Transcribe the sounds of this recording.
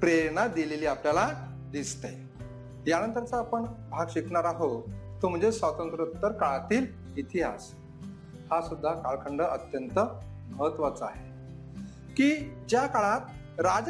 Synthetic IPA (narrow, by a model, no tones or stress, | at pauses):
pɾeɳad̪ileliːapljala | d̪ist̪e | janənt̪əɾt͡saːpəɳbʱaɡɕikɳaɾaɦot̪om̤əɳd͡zesʋat̪ənt̪ɾət̪ːəɾkaɭat̪iːl | it̪ʰiɦa̰s | hasud̪ʱːakaɭkʰəɳɖəʔət̪jənt̪ə | məɦət̪ʋat͡səaɦe | kiːd͡ʑjakaɭãt̪̚ | ɾad͡z